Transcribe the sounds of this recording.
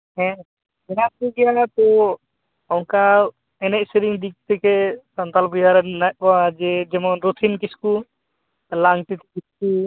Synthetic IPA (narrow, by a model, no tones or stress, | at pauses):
ɦɛ̃ | bɛɾasuɡɛjat̪ɔ | ɔŋka | ɛnɛc̚sɛɾiŋd̪ik̚t̪ɛkɛsant̪albujaɾɛnac̚kɔad͡ʒɛd͡ʒɛmɔɾut̪ʰinkisku | laŋʈ̪it̪ɛkisku